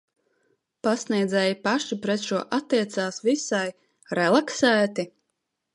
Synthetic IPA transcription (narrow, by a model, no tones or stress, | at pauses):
pasniɛjd̪zɛjipaʃipɾɛt̪ʃuɔʔat̪ːiɛt̪saːsvisaj | ɾɛlˠaksæːt̪i